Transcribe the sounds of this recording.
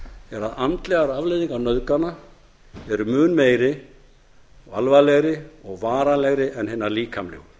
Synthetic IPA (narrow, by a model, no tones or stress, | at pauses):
ɛɾaðamt̪lɛɣaɾavlejðiŋkanœðkana | ɛɾʏmʏːnmeːjɾɪ | va̰lvalɛɣɾɪɔɣvaːɾalɛɣɾɪʔɛnɦenːaɾliːkʰamlɛ̰ɣ